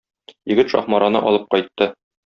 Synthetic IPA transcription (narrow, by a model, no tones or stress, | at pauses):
jɘ̆ɡɘt̪ʃɒ̰χmɑɾɑnɤ̰ʔɒlˠɤp̚qɒjt̪ːɤ